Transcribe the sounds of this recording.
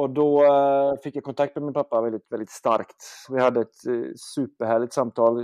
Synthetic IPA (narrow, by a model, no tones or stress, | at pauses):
ɔd̪ɔfɪkːjæɪkʰɔnt̪ʰakt̪mɛmɪnpʰapːavɛld̪ɪt̪vɛld̪ɪt̪st̪a̰ɾkt̪ʋɪhad̪ːəɛt̪sʉːpəɾhæːɭɪt̪samt̪ʰɑːl